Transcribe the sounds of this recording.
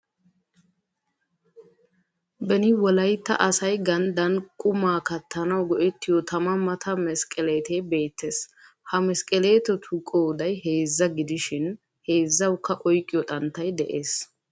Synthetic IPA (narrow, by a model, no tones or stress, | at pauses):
bɛnɪwɔlɐjt̪ːɐ̰ʔɐsɐjɡɐnd̪ɐnkʼʊmaːkɐt̪ʰːɐnɐwɡɔʔɛt̪ːɪjɔt̪ɐmɐmɐt̪ʰɐmɛskʼɛle̞ːt̪ebe̞ːt̪ːeːs | hɐmɛskʼɛle̞ːt̪ɔt̪ʰʊkʼoːd̪ɐjhe̞ːzːɐɡɪd̪ɪʃɪn | he̞ːzːɐwkːɐʔɔjkʼːɪjɔt̪ʼɐnt̪ːɐjd̪ɛʔeːs